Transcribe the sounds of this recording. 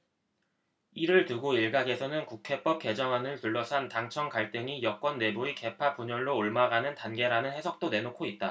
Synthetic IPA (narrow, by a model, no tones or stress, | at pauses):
iɾɯɭtuɡoiɭɡaɡe̞sʰʌnɯnkukʰe̞p͈ʌp̚k͈e̞d͡ʑʌŋɦanɯntuɭːʌsʰantaŋt͡ɕʰʌŋkaɭt͈ɯŋijʌk͈wʌnːe̞buike̞pʰapuɲʌɭːoːɭmaɡanɯntanɡe̞ɾanɯnhe̞sʰʌk̚t͈one̞nokʰoit̚t͈a